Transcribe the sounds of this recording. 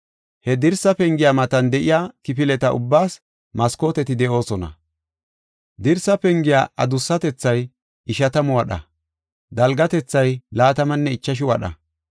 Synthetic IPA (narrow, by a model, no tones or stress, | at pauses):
hɛd̪ɪɾsːɐpɛŋɡɪjamɐt̪ɐnd̪ɛʔɪjaːkɪpɪlɛt̪ɐʔʊ̰bːaːs | mɐsko̞ːt̪ɛt̪ɪd̪ɛʔo̞ːsɔnɐ̰ | d̪ɪɾsɐpɛŋɡɪja̰ːʔɐ̰d̪ʊsːɐt̪ɛt͡sːɐj | ɪʃɐt̪ɐmʊwɐɗɐ̰ | d̪ɐlɡɐt̪ɛt͡sːɐjlaːt̪ɐmɐnːɛɪt͡ʃːɐʃ̬ɪwɐ̰ɗɐ̰